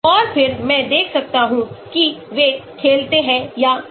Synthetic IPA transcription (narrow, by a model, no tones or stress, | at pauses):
ɔːɾpʰɪɾmɛ̃d̪eːkʰsɐk̚t̪aɦũkiʋeːʈ̚kʰeːlt̪eɦɛ̃ja